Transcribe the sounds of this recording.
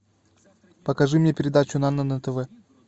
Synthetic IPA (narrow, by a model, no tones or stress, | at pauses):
pəkɐʐɨmnʲepʲɪɾʲɪd̪at͡ɕʊnanənət̪əvɛ